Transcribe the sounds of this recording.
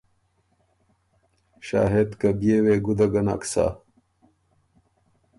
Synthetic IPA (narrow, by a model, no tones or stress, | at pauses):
ɕa̰ːɦet̪kɐbjeːweːɡud̪ɐɡɐna̰ksa̰ː